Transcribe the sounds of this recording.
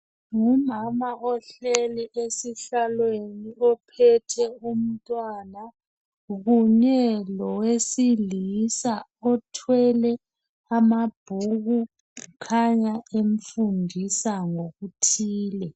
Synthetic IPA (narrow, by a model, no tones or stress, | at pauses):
ŋumamaʔɔɬeliʔesiɬalweniɔpʰɛtʰɛum̩tʼwaːna | ɣuɲɛlɔwesilisaɔtʰwɛlɛ | amab̥ʱuɣu | kʰaɲaeɱ̩fundʱisaŋoɣutʰiːlɛ